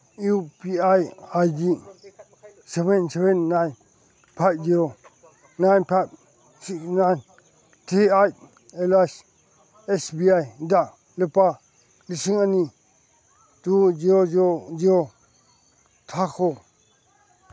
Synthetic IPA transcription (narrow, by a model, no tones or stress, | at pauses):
upiajajdi | sɛbɛnsɛbɛnːajn | pʰajb̚ziɾo | najnpʰajb̚ | siksnajn | tʰiaj | elajs | ɛsbiajda | ləpa | lisiŋani | tud͡ʒiɾod͡ʒod͡ʒiɾo | tʰakʰo